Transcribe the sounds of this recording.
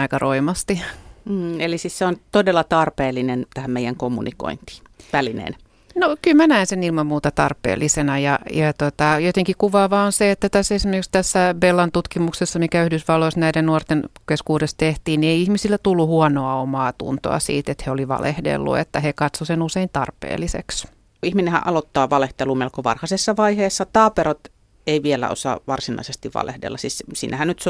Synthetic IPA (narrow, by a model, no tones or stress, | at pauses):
ɑikɑroimɑst̪im̩ːelisisseont̪odelːɑt̪ɑrpeːlːinent̪æhæmmeijˑæŋkomːṵniko̰int̪i̥ːʋælinḛːn | nokylmænæinsenilmɑmmuːt̪ɑt̪ɑrpˑḛːlˑːisenɑjɑjɑt̪ot̪ɑjot̪eŋkikuʋɑːʋɑonseet̪ːæt̪æsesimerkikst̪æsːæbelːɑnt̪ut̪kimuksesːɑmikæyhdysʋɑlːoisnæiɾennuort̪enkeskuːdest̪eht̪iːnnieiihmisilːæt̪ulːuhuɔnoɑomɑːt̪ṵnt̪o̰ɑ̰sḭːt̪et̪heoliʋɑ̰lʔḛhdḛlːṵḛt̪ːæhekɑt̪sosenuseint̪ɑrpḛːlːisḛks | ihminehæ̰ʔʔɑlot̪ːɑːʋɑleht̪eluːmelkoʋɑ̰rhɑsesːɑʋɑiheːsːɑt̪ɑːpeɾot̪ | eiʋielæ̰o̰sɑ̰ʋɑrsinɑ̰isest̪iʋʋɑ̰lḛhdḛlːɑsissḭːnæhænnyt̪s